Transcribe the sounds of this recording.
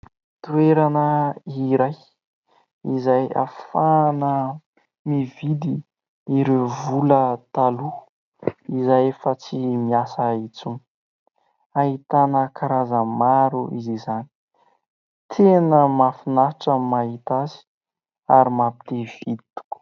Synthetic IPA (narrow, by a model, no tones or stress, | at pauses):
t̪ueɾanəiɾaj | izaja̰fanə | mivid̪iː | ɾevulət̪alu | izajefat͡simiasait͡sun | aɦit̪anəkaɾazəmaɾuizizani̥ | t̪ʰenəmafinaʈ͡ʂəmaɦit̪azi̥ | aɾimapi̥t̪ev̥id̪it̪u̥ku̥